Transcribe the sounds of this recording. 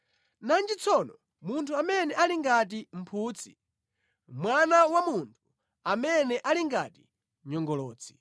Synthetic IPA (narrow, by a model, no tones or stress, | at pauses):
nand͡ʒit͡sʰɔnɔ | muntʰuamɛnɛʔaliŋɡat̬im̩pʰuːt͡sʰi̥̰ | mwanawamuntʰu̥ | amɛnɛʔaliŋɡati | ɲɔŋɡɔlɔːt͡sʰi̥